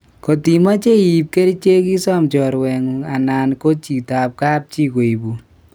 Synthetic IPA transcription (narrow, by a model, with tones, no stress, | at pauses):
ko˨ti˨ma˦t͡ʃe˦i˨p̚ke˦ɾt͡ʃe˦ki˦sɔ˦mt͡ʃɔ˨ɾwɛ˨ŋa˨na˨nko˦t͡ʃi˨ta˨p̚ka˦p̚t͡ʃi˦ko˨i˨bu˨